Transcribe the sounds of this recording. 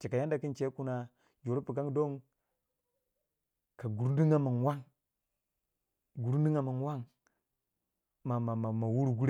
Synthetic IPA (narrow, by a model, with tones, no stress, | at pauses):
t͡ʃe˨ka˨ja˦nda˨ki˦nt͡ʃe˦ku˦na˦ | d͡ʒo˨ɾi˦pu˨ka˦ŋ˦do˦ŋ | ka˨ɡu˨ɾdi˦ŋa˦ma˨nwa˦ŋ | ɡu˨ɾn˦di˦ŋa˨ma˨nwa˦ŋ | ma˨ma˨ma˨ma˨wu˦ɾu˨ɡu˦ɾ